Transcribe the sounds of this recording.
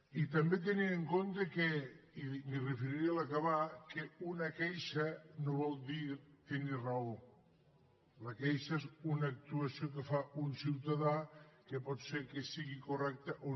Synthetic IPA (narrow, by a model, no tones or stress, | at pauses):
it̪ɐmbet̪̬enieŋkont̪əkeimirefeɾiɾialɐkɐβakeunɐkɛjʃɐnoβɔlˠd̪iɾt̪enirɐo | lɐkɛjʃɐezunːk̚t̪uɐsiok̬efaʔunsiwt̪ɐðakepɔt̪seɾkesiɣikurɛk̚t̪əʔo